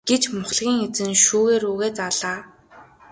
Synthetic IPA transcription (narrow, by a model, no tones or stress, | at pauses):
ɡ̥et͡ɕmʊχɮɣʲiːŋet͡sɘ̆nʃuːɣeːɾuːɣeːt͡saɮaː